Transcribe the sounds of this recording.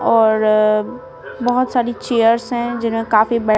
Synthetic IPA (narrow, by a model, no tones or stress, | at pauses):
ɔːɾ | bɐɦʊt̪saːɾit͡ʃeːjəɾsɦɛ̃d͡ʒɪnmẽkaːfibɐɽ